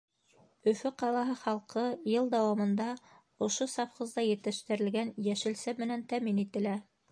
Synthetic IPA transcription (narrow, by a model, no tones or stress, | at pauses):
ɵ̆fɘqɑlˠɑɦɤχɑlˠqɤjɤlˠd̪æwɑmɤ̆nd̪ɑ | ŏʃosɑfχɤ̆zd̪ɑjɘ̆t̪ɘ̆ʃt̪ɘ̆ɾɘ̆lɡænjæʃɘ̆lsæmɘ̆nænt̪æminit̪ɘ̆læ